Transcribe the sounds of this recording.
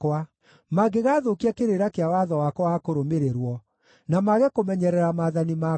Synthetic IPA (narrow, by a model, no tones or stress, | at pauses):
wa | maɡeɣaːðokiakeɾeɾakeawaðɔwakwɔwakoɾomeɾeɾwɔ | namaɣekomɛɲɛɾɛɾamaðanima